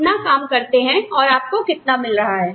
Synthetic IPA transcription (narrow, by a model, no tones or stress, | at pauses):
nakaːmkɐɾt̪eɦɛ̃ɔːɾaːp̚kokɪt̪namɪlɾɐɦaɦɛː